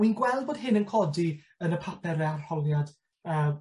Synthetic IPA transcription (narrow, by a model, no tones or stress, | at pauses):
inɡwɛlˠd̚boːd̥ɦɪnənkʰɔdi | ənəpʰapʰɛrɛarhɔlˠjad | ə